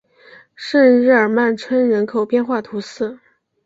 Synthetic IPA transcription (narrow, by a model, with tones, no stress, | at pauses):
ʂə˥˧nɻɻ̩˥˩ə˞˨˩ma˥˩nʈ͡ʂʰwə˥nɻə˧˥nkʰo˨˩ʊpjɛ˥˧nxwa˥˩t̪ʰu˧˥sɹ̩˥˩